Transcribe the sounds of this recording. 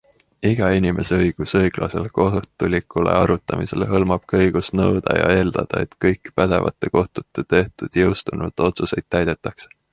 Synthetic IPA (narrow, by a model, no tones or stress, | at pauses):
iɡ̥ɑinʲime̞seɤjɡ̥usɤjɡ̥lɑ̰se̞̰lkoɦt̪ːˑulʲikːˑule̞̰ɑɾut̪ːˑɑmise̞̰lɦɤlmɑb̥kɑɤjɡ̥ust̪nɤwd̪̥ɑjɑ̰e̞ːld̪ɑd̪̥ɑe̞̰t̪kɤjkːˑpæd̪̥e̞̰vɑ̰t̪ːˑe̞ko̞ht̪ut̪ːˑe̞t̪e̞ht̪ud̪̥jɤ̞wst̪unṵt̪o̞t̪suse̞jd̪̥̚t̪ːæjd̪̥e̞t̪ːˑɑkse̥